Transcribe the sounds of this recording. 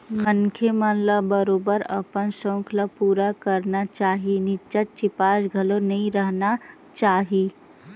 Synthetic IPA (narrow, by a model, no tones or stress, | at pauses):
mənkʰemãnlabəɾoːbəɾɐ̰pənsõːkʰlapuːɾakəɾnat͡ʃaːɦinɪt͡ʃət̪̚t͡ʃɪpaːʃɡʱɐlonɐɦĩɾəɦna | t͡ʃaːɦiː